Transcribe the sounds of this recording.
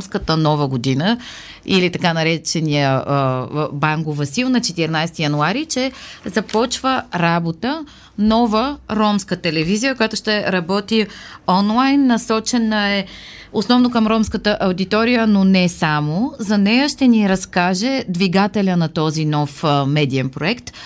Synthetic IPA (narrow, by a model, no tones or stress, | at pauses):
mskət̪ənɔvəɡod̪inə | ilit̪ɐkanɐɾɛt͡ʃɛnijə | baŋɡovɐsilˠnɐt͡ʃɛt̪iɾnajst̪ijɐnuaɾit͡ʃɛzɐpɔt͡ʃvəɾabot̪ə | nɔvəɾɔmskət̪ɛlɛvizijəkojat̪ʊʃt̪ɛɾɐbɔt̪iɔnlˠajnːɐsɔt͡ʃɛnəɛ | osnɔvnokɐmɾɔmskət̪əʔɐwd̪it̪ɔɾijənonɛsamozɐnɛjəʃt̪ɛniɾɐskaʒɛd̪viɡat̪ɛlʲənɐt̪ɔzinɔfmɛd̪iɛmpɾoɛkt̪